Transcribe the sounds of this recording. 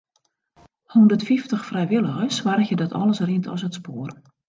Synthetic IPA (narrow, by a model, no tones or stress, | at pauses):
hundətfiftəxfrɛjʋɪlˠəɣəsʋarxjədɔtʰɔ̰ləsrintʰɔ̰sətspoər